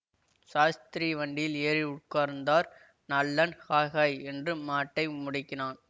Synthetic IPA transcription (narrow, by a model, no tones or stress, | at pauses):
saːst̪ɪɾiːʋɐɳɖɪjɪleːɾɪʊʈ̚kaːɾnd̪aːɾ | nɐlːɐnhaːɣaːjɛndrɯmaːʈːɐɪmʊɽɪkːɪnaːn